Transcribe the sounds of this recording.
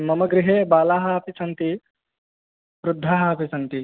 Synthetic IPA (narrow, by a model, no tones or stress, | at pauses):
mɐmɐɡɾɪɦeːbaːlaːɦɐɐpisɐnt̪i | ʋɾud̪ʱːaːɦɐɐpisɐnt̪i